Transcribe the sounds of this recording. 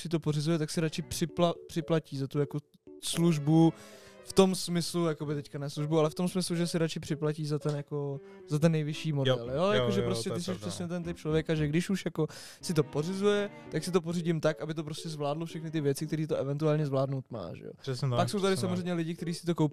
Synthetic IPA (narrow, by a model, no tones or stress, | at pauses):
sɪt̪o̞po̞rɪzujɛt̪aksɪɾat͡ʃɪpr̥ɪplapr̥ɪplaciːzat̪ujako | sluʒbuft̪o̞msmɪslujako̞bɪt̪ɛckanɛsluʒbualɛft̪o̞msmɪsluʒɛsɪɾat͡ʃɪpr̥ɪplaciːzat̪ɛnjako̞ | zat̪̬ɛnːɛjvɪʃiːmodɛɛljojakoʒɛpɾostcɛt̪ɪs̬ɛʃprɛsɲɛt̪̬ɛnt̪ɪp̚t͡ʃlo̞vjɛkaʒɛɡdɪʃuʃjako̞ | sɪt̪o̞po̞rɪzujɛ | t̪aksɪt̪o̞p̬oriɟɪmt̪akʔabɪt̪̬o̞pɾo̞scɛzvlaːdlofʃɛxnɪt̪ɪvjɛt͡sɪkt̪ɛɾiːt̪oʔɛvɛnt̪uaːlɲɛzvlaːdnowt̪ma̰ːʒɛ̰jo̰pakso̞wt̪adɪsamozrɛjmɲɛlɪɟɪk̚t̪ɛɾiːsɪt̪okowp